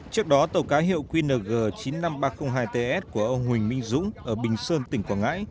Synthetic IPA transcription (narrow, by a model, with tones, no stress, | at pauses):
t͡ɕɨ˦˥ək̚ɗɔ˨˦t̪ə˨˩wkaː˨˦jɦḭ˧˨əwkwi˧nəː˨˩ɣəː˨˩t͡ɕi˨˦nːa˧mɓaː˧xə˧wŋ͡mɦaː˧jt̪e˧ʔɛ˦˥t̚ku˧˩əʔə˧wŋ͡mhwï˨˩ŋ̟mï˧ŋ̟zʊ̰˧˥ŋ͡mʔʔəː˧˩ɓï˨˩ŋ̟səː˧nt̪ï˧˩ŋ̟kwaː˧˩ŋa̰ː˧˥j